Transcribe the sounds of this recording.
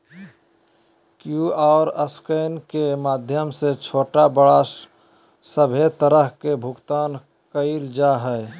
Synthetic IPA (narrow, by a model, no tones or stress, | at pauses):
kjuaːɾəskəɪnkemaːd̪ʱjəmset͡ʃʰoːʈabəɽa | səbʱet̪əɾəɦkebʱʊɡt̪aːn | kəɪld͡ʒaɦɛ